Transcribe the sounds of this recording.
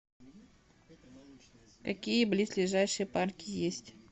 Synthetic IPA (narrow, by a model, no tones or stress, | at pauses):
kɐkʲijəblʲisʲlʲɪʐajʂɨjəparkʲɪjesʲtʲ